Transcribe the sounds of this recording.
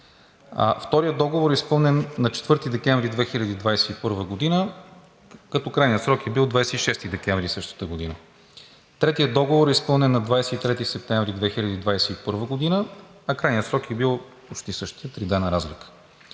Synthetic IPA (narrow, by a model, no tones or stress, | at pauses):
ft̪ɔɾijəd̪ɔɡovoɾɛispɤlˠnɛnːɐt͡ʃɛt̪vɤɾt̪id̪ɛkɛ̃ɱvɾid̪vɛxiʎʲɐd̪iːd̪vajsɛipɤɾvəɡod̪inə | kɐt̪ɔkɾajnijət̪sɾɔkɛbilˠd̪vajsɛiʃɛst̪id̪ɛkɛ̃ɱvɾisɤʃt̪ə̥t̪əɡod̪inə | t̪ɾɛt̪ijəd̪ɔɡovoɾɛispɤlˠnɛnːɐd̪vajsɛit̪ɾɛt̪isɛp̚t̪ɛ̃ɱvɾid̪vɛxilʲɐd̪id̪vajsɛipɤɾvəɡod̪inəɐkɾajnijət̪sɾɔkɛbilˠ | pot͡ʃt̪isɤʃt̪iət̪ɾid̪ɛnɐɾazlikə̥